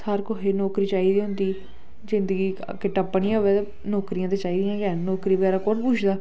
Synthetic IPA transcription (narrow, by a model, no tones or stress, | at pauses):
səɾkoɦeːnɔːkɾiːt͡ʃaːiːd̪iːɦʊ̃nd̪iː | zɪnd̪əɡiː | kɪʈəpːnĩːɦoʋeː | nɔːkɾijãːt̪eːt͡ʃaːiːd̪ɪjãːkɛnɔːkɾiːbəɡɛːɾaːkonpuːt͡ʃʰd̪aː